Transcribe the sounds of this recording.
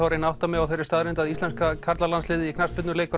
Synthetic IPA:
awɾɪnawhtt̪amɛɣawθejɾɪ̥ɾst̪aðɾɪnt̪aðist̪ɛnskakʰaɾt̪lalanslɪːðɪikʰnaspɪt̪nʏleːjkʏ

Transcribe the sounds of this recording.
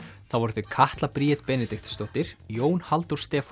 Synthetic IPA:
θawvɔɾðʏkʰaht̪lapɾiːɛt̪pɛːnɛt̪ɪxt̪st̪owht̪ɪɾ̥joːwnhalt̪uɾ̥st̪ɛːf

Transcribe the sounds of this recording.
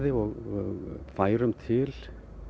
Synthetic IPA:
ðɪɔɣɣfaːjɾʏmt̪ʰɪl

